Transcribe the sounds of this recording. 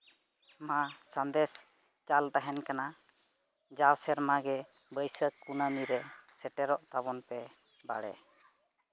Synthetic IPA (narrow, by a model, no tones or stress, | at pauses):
mãsənd̪ɛs | t͡ʃalt̪aɦɛnkana | d͡ʒawsɛɾmaɡɛ | bəjsəkːunaniɾɛsɛʈɛɾɔʔt̪aβɔnpɛ | baɽɛ̰